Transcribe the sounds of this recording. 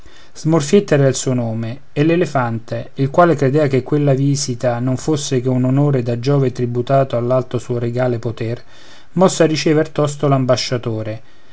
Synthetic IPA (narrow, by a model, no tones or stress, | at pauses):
z̥morfjet̪ːɛːɾailsuːonoːmeː | lːelefant̪eilkwaːlekɾed̪ɛːvak̟ekːwelːaviːzit̪anoɱfosːek̟eunonoːɾed̪ad͡ʒːɔːvet̪ɾibut̪aːt̪oalːalt̪osuːoɾeɡaːlepot̪ɛr | mɔsːɪarːit͡ʃɛːvert̪ɔst̪olambaʃːat̪oːɾe